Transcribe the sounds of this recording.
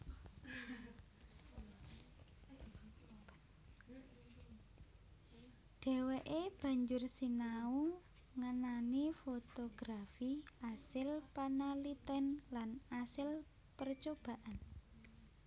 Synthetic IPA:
ɖ̥ɛ̤weʔeb̥ä̤ɲd͡ʒʊrsinau | ŋənanifot̪oɡ̥ɾafiasɪlpanalit̪ɛnlanasɪl | pərt͡ʃob̥a̤ʔan

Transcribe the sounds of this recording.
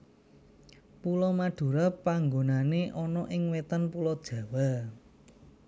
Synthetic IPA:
pulɔmaɖ̥ṳɾapaŋɡonaneʔɔnɔʔɪŋwet̪ənpulɔd̥ʒ̥ä̤wa

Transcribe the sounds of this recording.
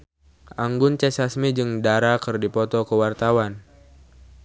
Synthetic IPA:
ʔaŋɡʊnt͡ʃɛsasmid͡ʒɨŋdaɾakɨrdipɔt̪ɔkəwart̪awan

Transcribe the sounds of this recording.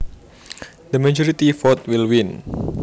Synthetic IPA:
d̪əmad͡ʒɔɾit̪ifɔt̪̚wilwin

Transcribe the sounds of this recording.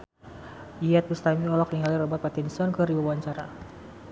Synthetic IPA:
iɛt̪̚bust̪amiɔlɔk̚niŋalirɔbat̪̚pat̪ɛnsiɔnkɨribauwaɲt͡ʃaɾa

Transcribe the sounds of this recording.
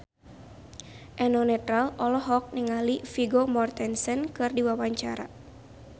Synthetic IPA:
ʔɛnɔnɛt̪ɾalɔlɔɦɔk̚niŋalifiɡɔmɔrt̪ɛnsənkɨrdiwawaɲt͡ʃaɾa̰

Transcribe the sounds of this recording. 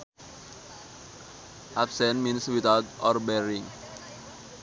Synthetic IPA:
ʔapsɛ̃nminswit̪awt̪̚ʔɔrbɛɾiŋ

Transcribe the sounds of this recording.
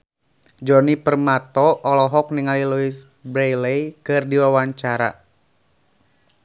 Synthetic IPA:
d͡ʒɔnipərmat̪ɔʔːlɔɦɔk̚niŋaliluis | bɾejlejkɨrdiwawaɲt͡ʃaɾa̰

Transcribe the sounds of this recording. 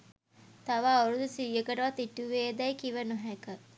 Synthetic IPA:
t̪aʋaoɾud̪usiʋijəkəʈəʋat̪iʈːuʋeːd̪ɛjkiʋənuɦækə

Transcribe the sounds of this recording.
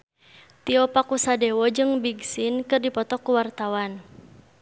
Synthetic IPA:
t̪iɔpakusadewɔd͡ʒɨŋbiɡsinkɨrdipɔt̪ɔkːuwart̪awan

